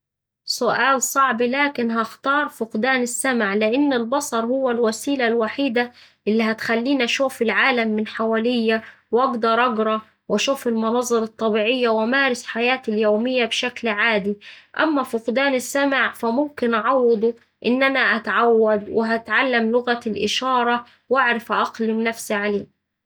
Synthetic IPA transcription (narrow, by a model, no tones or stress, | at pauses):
sʊʔaːlsˤɑʕblaːkɪnɦaxt̪ɑːɾˤfʊqd̪aːnɪsːamʕlɪʔɪnːɪlbɑsˤɑɾˤhʊwːalwasiːlalwaħiːd̪aʔɪlːiɦæt̪xalːiːnʔaʃuːfɪlʕaːlamːɪnħawaːlɪjːawɑɡd̪ɑɾˤʔɑɡɾˤɑ | wʔaʃuːfɪlmʊnɑzˤːɨɾˤɑt̪ˤːɑbiːʕɪjːawʔamaːɾɪsħajaːt̪ɪljoːmɪjːabʃaklʕaːd̪iʔa̰mːafʊqd̪aːnɪsːamaʕfæmʊmkɪnʔɑʕɑwːɨd̪ˤu | ʔɪnːʔanaʔat̪ʕawːad̪wɪɦat̪ʕalːamlʊɣalʔɪʃɑːɾˤɑ | wʔaʕɾɪfʔɑqlɪmnafsiʕaleː